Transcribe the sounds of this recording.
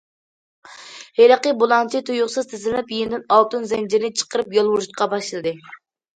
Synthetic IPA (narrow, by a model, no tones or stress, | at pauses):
heɾəqəbolˠɑnt͡ʃʰit̪ʰujʊχsɨzt̪ʰɪzɪlɪnɪpjend̪ɪnɑlˠt̪unzɛnd͡ʒɪɾnɪt͡ʃʰə̥qəɾɨpjɑlˠwuɾʃut̪̚qʰɑbɑʃlˠɨd̪ɨ